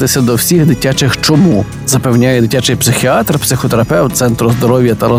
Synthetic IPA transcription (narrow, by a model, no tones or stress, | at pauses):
t̪ɪsʲɐd̪ɔwsʲiɣd̪ɪtʲat͡ʃɪxt͡ʃɔmu | zɐpɛwnʲajɛd̪ɪtʲat͡ʃɪjpsɪxʲiɑt̪rpsɪxɔt̪eɾɐpɛwt̪t̪sɛnt̪ɾʊzd̪ɔɾɔwʲjɐt̪ɐɾɔ